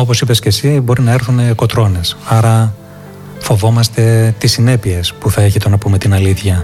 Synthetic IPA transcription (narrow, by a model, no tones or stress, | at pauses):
o̞po̞sipe̞sce̞sibo̞ɾinɐe̞ɾθune̞ko̞t̪ɾo̞ne̞sɐɾɐ | fo̞vo̞mɐst̪e̞t̪isine̞pie̞spuθɐeçit̪o̞nɐpume̞t̪inɐliθçɐ